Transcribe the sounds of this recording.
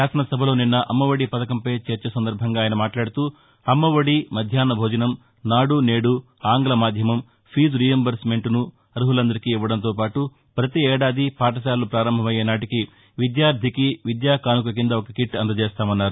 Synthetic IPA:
ʃaːsɐnɐsɐbʱɐlo̞ːninːɐʔɐmːɐʋɐɽipɐt̪ɐkɐmpɐjt͡ʃeːɾt͡ʃɐsɐnd̪ɐɾbʱɐŋɡaːjɐnɐmaːʈlaːɽut̪uː | ɐmːɐʋɐɽimɐd̪ʱjaːnɐbʱoːd͡ʒɐnɐm | naːɽune̞ːɽu | aːŋɡɐlɐmaːd̪ʱjɐmɐm | pʰiːd͡ʒɾijɐmbɐɾsme̞ɳʈnu | ɐɾuɦulɐnd̪ɐɾikiːʋːɐɽɐnt̪̬oːpaːʈu | pɾɐt̪iɛːɽaːd̪ʱipaːʈ̬ɐs̬aːlupɾaːɾɐmbʱɐmɐjeːnaːʈiki | ʋid̪jaːɾd̪ʱikiʋid̪jaːkaːnuk̬ɐk̬ind̪ɐɔkɐkiʈːɐnd̪ɐt͡ʃeːst̪aːmɐnːaːɾu

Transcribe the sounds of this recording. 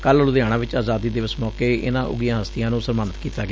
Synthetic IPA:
kəllʊd̪jaːɽ̃ãːʋɪt͡ʃaːzaːd̪iːd̪eːʋɪt͡ʃmɔːkeːɪ̰nãːʔʊ̰ɡijãːɦəst̪ɪjãːnũːsəɾmaːnət̪kiːt̪aːɡeː

